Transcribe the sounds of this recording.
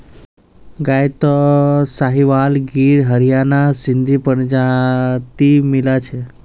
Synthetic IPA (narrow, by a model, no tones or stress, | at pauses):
ɡajt̪ɔsaɦiʋalɡiːɾɦəɾijanasind̪ʱipəɳd͡ʑat̪imilat͡ɕʰe